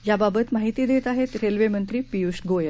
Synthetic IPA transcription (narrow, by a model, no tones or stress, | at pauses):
jababət̪maɦit̪iːd̪et̪aɦet̪ɾelʋemənt̪ɾiːpiusʈɡojə